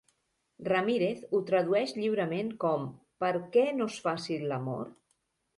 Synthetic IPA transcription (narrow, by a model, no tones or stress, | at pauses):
rəmiɾeθut̪ɾəðuɛʃʎiwɾəmeŋkɔm | pəɾkɛnosfasiləmo̰ɾ